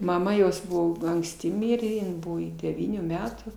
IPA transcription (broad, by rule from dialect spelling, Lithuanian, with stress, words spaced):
mɐˈmɐ ˈjoːs ˈbʊʋoː ɐŋksʲˈtʲɪ ˈmʲɪrʲeː ɪn ˈbʊʋoː ɪ dʲɛˈʋʲiːnʲuː ˈmʲæːtuː